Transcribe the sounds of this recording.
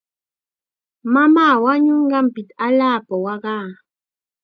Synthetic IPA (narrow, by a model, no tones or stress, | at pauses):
mamaːwaɲʊɴɢɑmpɪt̪aʎaːpawɑɢɑː